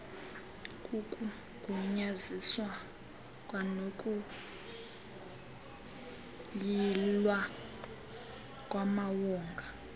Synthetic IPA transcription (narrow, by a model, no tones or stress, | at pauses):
kʼukʼu | kʼuɲaziswa | kʼwanokʼu | lilwa | kʼwamawɔːŋɡʱa